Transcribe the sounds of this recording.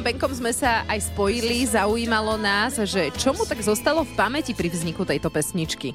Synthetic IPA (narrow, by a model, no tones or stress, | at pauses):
mbɛŋkɔmzmɛsaʔajspɔjilizaujiːmalɔnaːzʒɛt͡ʃɔmut̪aɡzɔst̪alɔfpamɛcipɾivzɲikut̪ɛjt̪ɔpɛsɲit͡ʃki